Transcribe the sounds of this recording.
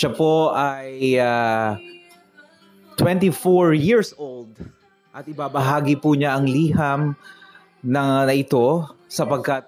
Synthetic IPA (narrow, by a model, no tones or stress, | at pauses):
ʃɐpo̞ʔaja | t̪wɛ̃nt̪ifoɹjiɹsowld̪̚ | ʔɐt̪̚ʔɪbaːbɐɦaːɡɪpuɲaʔɐŋliːɦɐm | nɐŋnɐʔɪt̪o̞sɐpɐɡ̚kɐt̪̚